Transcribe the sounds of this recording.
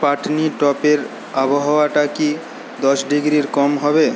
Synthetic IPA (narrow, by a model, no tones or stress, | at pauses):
paʈniʈɔpeɾ | aboɦaoaʈaki | d̪ɔʃɖiɡɾiɾkɔmɦɔbe